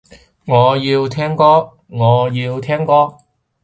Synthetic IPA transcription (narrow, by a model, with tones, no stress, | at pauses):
ŋɔː˨˧jiː˧wt̪ʰɛː˥ŋkɔː˥ | ŋɔː˨˧jiː˧wt̪ʰɛː˥ŋkɔː˥